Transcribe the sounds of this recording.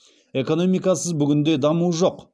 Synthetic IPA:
e̞ko̞no̞mijkɑsəzbʏɡʲɪnd̪e̞d̪ɑmuʒo̞q

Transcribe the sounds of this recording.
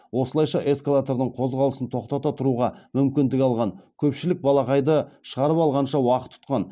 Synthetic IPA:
wo̞səlˠɑjʃɑʔe̞skalˠat̪oɾd̪əɴqʰo̞zʁɑlˠəsənt̪ʰo̞qt̪ɑt̪ɑt̪ʰʊɾuʁɑmʏmkʲɪnd̪ɪkʲɑlˠʁɑŋkʲʰɵpʃɪlɪk̚bɑlˠɑqɑjd̪əʃəʁɑɾəpɑlˠʁɑnʃɑwɑqə̥t̪ʰːʊ̥t̪qɑn

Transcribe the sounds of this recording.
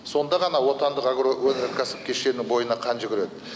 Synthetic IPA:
so̞nd̪ɑʁɑnɑwo̞t̪ɑnd̪əqaɡɾowɵnɪɾkkʲʰæsɪ̥p̚kʲʰe̞ʃe̞nɪŋbo̞jənɑqʰɑnʒʏɡʲɪɾe̞d̪ɪ

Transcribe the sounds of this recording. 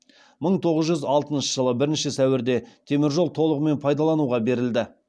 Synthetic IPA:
məɴt̪ʰo̞ʁəzʒʏzɑlˠt̪ənʃə̥ʒ̥əlˠəbɪɾɪnʃɪsæwɪɾd̪e̞t̪ʰe̞mɪɾʒo̞lˠt̪ʰo̞lˠəʁəme̞npʰɑjd̪ɑlˠɑnuʁɑbe̞ɾɪld̪ɪ

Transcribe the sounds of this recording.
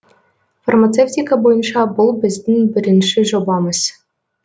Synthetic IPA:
farmat̪t͡s̪eftʲikabojɤ̆nʂɑbɤ̆lˠbʲɘ̆zʲd̪ʲɘnʲbʲɘ̆ɾʲɘ̆nʂɘ̆ʒobɑmɤ̆sʲ

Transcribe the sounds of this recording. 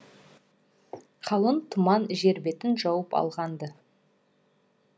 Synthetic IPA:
qʰɑlˠənt̪ʰʊmɑnʒeɾbe̞t̪ɪnʒɑwəpɑ̰lˠʁɑnd̪ə

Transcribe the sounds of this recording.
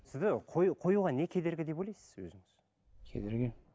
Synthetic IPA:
sɪzd̪ɪqʰojqʰo̞juʁɑne̞kʲʰe̞d̪e̞ɾɡʲɪd̪e̞pojlʲɑjsɪ̥z̥wɵ̰zɪŋɪz̥ | kʲʰḛd̪eɾɡʲɪ

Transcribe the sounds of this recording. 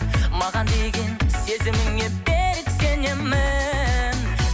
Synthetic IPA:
mɑʁɑnd̪eɡʲenezɪmɪŋebeɾɪksenemɪn

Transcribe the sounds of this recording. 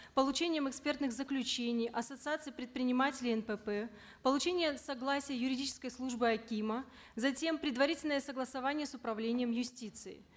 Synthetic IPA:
pəlˠʊt͡ɕenʲɪjəmɛkspʲe̞rt̪nɨxzəklʲʉt͡ɕenʲɪjʔɐsət̪sɨat̪sɨjpɾʲɪt̪̚pɾʲɪnʲɪmatʲɪlʲɪɛnpɛpɛ | pəlˠʊt͡ɕenʲɪjəsɐɡlˠasʲɪjəjʊɾʲɪdʲit͡ɕɪ̥skəjslˠuʐbɨɐkʲimə | zɐtʲe̞mpɾʲɪd̪vɐɾʲitʲɪlʲnəjəsəɡlˠəsɐvanʲɪjəsʊpɾɐvlʲenʲɪjəmjʊsʲtʲit̪sɨɪ̰

